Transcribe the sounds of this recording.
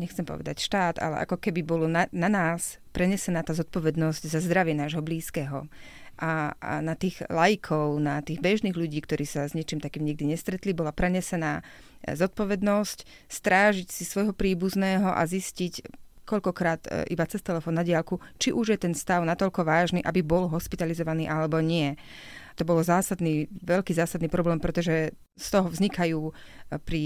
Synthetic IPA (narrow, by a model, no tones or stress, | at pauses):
ɲɛxt͡sɛmpɔ̰ʋɛ̰d̪a̰cʃt̪aːd̪a̰lɛ̰ʔa̰kɔkɛbibɔlɔnananaːs | pɾɛɲɛsɛnaːt̪aːzɔt̪̚pɔʋɛd̪nɔzɟzazd̪ɾaʋɪɛnaːʒɦɔbliːskɛːɦɔ̰ | ʔanat̪iːɣlajikʰɔʊnat̪iːɣbɛʒniːɣluɟiːkt̪ɔɾiːsazɲɛt͡ʃimt̪akiːmɲiɡ̚d̪iɲɛst̪ɾɛt̪libɔlapɾɛɲɛsɛnaː | zɔt̪̚pɔʋɛd̪nɔsc | st̪ɾaːʒicsisʋɔjɦɔpɾiːbuznɛːɦɔʔa̰ziscic | kɔʎkɔkɾaːt̪ḭbat͡sɛst̪ɛlɛfɔːnːaɟɪalkut͡ʃiʔuʒjɛt̪ɛnst̪aʊnat̪ɔʎkɔʋaːʒniːʔabibɔlɦɔspit̪alizɔʋaniːʔalɛbɔɲɪɛ | t̪ɔbɔlɔzaːsad̪niːʋɛʎkiːzaːsad̪niːpɾɔblɛːmpɾɛt̪ɔʒɛ | st̪ɔɦɔvzɲikajuːpɾi